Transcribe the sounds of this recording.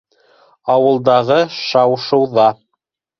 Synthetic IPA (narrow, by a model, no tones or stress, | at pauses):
ɑwɤ̆lˠd̪ɑʁɤʃɑwʃɤ̆wðɑ